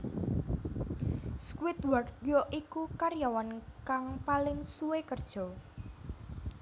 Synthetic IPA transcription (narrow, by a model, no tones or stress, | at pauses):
skwɪt̪̚wardjɔʔikukaɾjawankaŋpalɪŋsuwekərd̥ʒ̥ɔ̤